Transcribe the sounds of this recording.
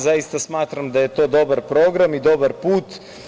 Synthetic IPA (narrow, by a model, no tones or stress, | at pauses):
zaist̪asmaːt̪ɾamd̪ajet̪oːd̪obaɾpɾoːɡɾamid̪obaɾpuːt̪